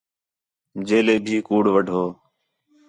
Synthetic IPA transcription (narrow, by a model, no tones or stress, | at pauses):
d͡ʒeːleːbʱiːkuːɽʋəɖʱoː